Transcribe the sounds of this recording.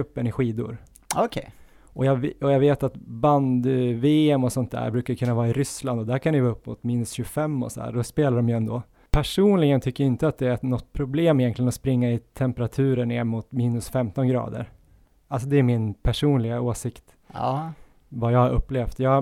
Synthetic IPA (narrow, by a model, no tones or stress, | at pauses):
ɵpːənɪɧiːd̪ʊ̰ɾ | kʰɛ | ʔɔjɑɔjɑːɡveːt̪at̪band̪veːɛmɔsɔnt̪̚d̪æ̰ɾbɾʉ̟ːkakʰɵnːavɑːɾɪɾʏsland̪ɔd̪æɾkʰand̪ɪvɑːɵpːmʊ̰t̪miːnɵsɕɵɡfɛmːɔ̰sɔd̪æ̰ːɖɔspeːlaɖɔmjɵɛnd̪oː | pʰæʂuːnlɪɡənt̪ʰʏkːəjɪnt̪əat̪̚d̪ɛænɔt̪ːpʰɾʊbleːmɪjɛnk̪lɪɡənɔspɾɪŋːaɪt̪ʰɛmpɛɾat̪ʰʉ̟ːɾəɳeːɾmʊt̪miːnɵsfɛmt̪ɔnɡɾɑ̰ːd̪ə̰ɾ | als̬ɔd̪ɛːɾmɪnpʰæʂuːnlɪɡaoːsɪkt̪ː | vajɑːhaɾɵ̰pːleːft̪jɑː